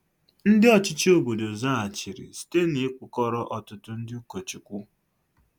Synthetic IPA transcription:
n̩˦dɪ˦ɔ˦t͡ʃɪ˦t͡ʃi˦o˨bo˨do˨za˦a˨t͡ʃi˨ɾḭ˨si̥˨˦te˦ni˨ɪ˦kʊ˨kɔ˦ɾɔ˦ʔɔ˨tʊ˦tʊ˦n̩˦dɪ˦u˦ko˨t͡ʃi˨kʷu˦

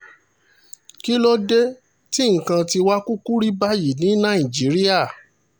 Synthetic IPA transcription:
ki˦lɔ˦de˦ | ti˦ŋ̩˨kã˧ti˧wa˦ku˦ku˦ɾi˦ba˦ji˨nĩ˨˦nã˦˨i˨d͡ʒi˨˦ɾi˦a˦˨

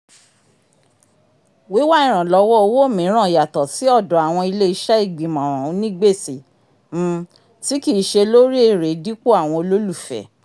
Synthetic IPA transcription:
wi˨˦wa˦ĩ˦˨ɾ̃ã˨lɔ˨˧˦wɔ˦o˧wo˦˨mĩ˨˦ɾ̃ã˦˨ja˨tɔ˨ti˨˦ɔ˦˨dɔ˨a˨w̃ɔ̃˧i˧le˦i˧ʃɛ˦i˦˨ɡ͡bi˨mã˨ɾ̃ã˨˦nĩ˦ɡ͡be˦˨si˨ | m̩̃˧ | ti˦ki˦˨˦ʃe˧lo˦ɾi˦e˦˨ɾe˨˦di˦k͡po˦a˦˨w̃ɔ̃˧o˧lo˦lu˦˨fɛ̰˨

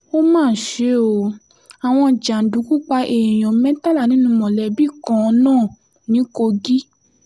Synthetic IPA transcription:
o˦mãː˦˨ʃe˨˦o˧ | a˨w̃ɔ̃˧d͡ʒa˨n̩˨du˨˦ku˦k͡pa˧ʔe˨j̃ɔ̃˨mɛ̃˦ta˦la˦˨nĩ˦nũ˧˦mɔ̃˨lɛ˨bi˦˨kɔ̃˨˧˦nãː˦˨ | nĩ˨˦ko˧ɡi˦

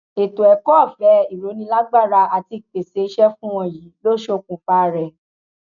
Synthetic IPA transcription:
e˨to˨ɛ˨kɔ˦˨fɛ˨˦i˨ɾo˨˦nĩ˧˦la˦ɡ͡ba˦˨ɾa˧a˧ti˧k͡pe˨se˨˦i˦ʃɛ˦fũ˦w̃ɔ̃˧˨jiː˨˦lo˦ʃo˦˧kũ˧fa˦˨ɾɛ˨

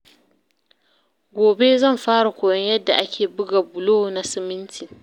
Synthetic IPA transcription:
ɡʷoː˨be˦zɐ˦˨mɸaː˦ɽa˨kʷoː˨jɔ˦ɲjɐ˦dːa˨ʔa˦kʲʰeː˨bʊ˦ɡa˨bʊ˨loː˦na˦sɪ˦mɪ˦ntʰɪ˨ŋ

